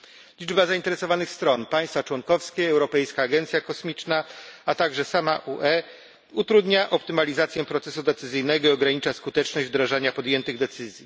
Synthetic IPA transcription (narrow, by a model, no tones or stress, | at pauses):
lʲid͡ʐbazaint̪ɛɾɛsɔvanɘxst̪ɾɔnpaj̃st̪fat͡ʂwɔŋkɔfskʲɛɛwɾɔpɛjskaːɡɛnt̪sʲjakɔsmʲit͡ʂnaat̪aɡʐɛsamaʔuʔɛ | ut̪ɾud̪ɲaʔɔpt̪ɘmalʲizat̪sʲjɛpɾɔt̪sɛsud̪ɛt̪sɘzɘjnɛɡɔiɔɡɾaɲit͡ʂaskut̪ɛt͡ʂnɔʑd͡ʑvd̪ɾaʐaɲapɔd̪jɛnt̪ɘɣd̪ɛt̪sɘzʲji